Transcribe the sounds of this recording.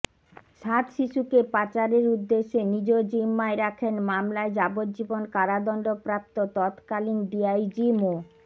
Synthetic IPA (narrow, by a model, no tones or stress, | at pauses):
ʃat̪ʃiʃukepat͡ɕaɾeɾud̪ːeʃːenid͡ʑod͡ʑimːaeɾakʰenmamlaed͡ʑabot̪̚d͡ʑibonkaɾad̪ɔnɖopɾap̚t̪ot̪ɔt̪kalinɖiajd͡ʑimo